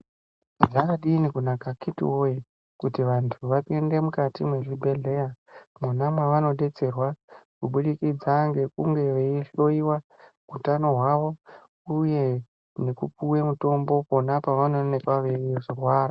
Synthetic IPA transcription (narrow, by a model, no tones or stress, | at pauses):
ʐakaɗiːnikunakakʰitḭwo̞ji | kutiʋantʰuʋapende̞mukatimweʐibʱe̞ɮe̞jamunamwaʋano̞ɗe̞t͡se̞rwakuɓuɗikid͡zaŋɡe̞kuŋɡe̞ʋeiɬo̞iwa | ɡutano̞ɦwaʋo̞ | uje̞ | nekupuwe̞muto̞mbo̞po̞napaʋano̞nekwaʋeʐirwaːra